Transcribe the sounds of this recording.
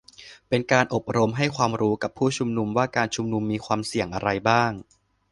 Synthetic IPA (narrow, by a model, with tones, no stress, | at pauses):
pe˧nkaː˧nʔo˨˩p̚ɾo˧mɦa˥˩jkʰwaː˧mɾuː˦˥ka˨˩pʰːuː˥˩t͡ɕʰu˧mnu˧mwaː˥˩kaː˧nt͡ɕʰu˧mnu˧mːiː˧kʰwaː˧msi˨˩əŋʔa˧ɾa˧jbaː˥˩ŋ